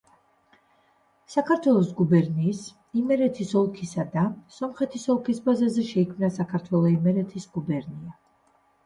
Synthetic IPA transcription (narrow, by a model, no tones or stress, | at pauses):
sakʰaɾt̪ʰwɛlˠɔsɡubɛɾniːs | imɛɾɛt̪ʰisɔlˠkʰisad̪asɔmχɛt̪ʰisɔlˠkʰisbazazɛʃɛikʰmnasakʰaɾt̪ʰwɛlˠɔimɛɾɛt̪ʰisɡ̥ubɛɾnia